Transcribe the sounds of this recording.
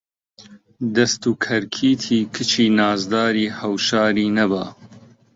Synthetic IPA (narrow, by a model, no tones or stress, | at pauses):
d̪ɐst̪uːkʰɐɾkʰiːt̪ʰiːkʰɨt͡ʃʰiːnaːzd̪aːɾiːhɐwʃaːɾiːnɐba̰ː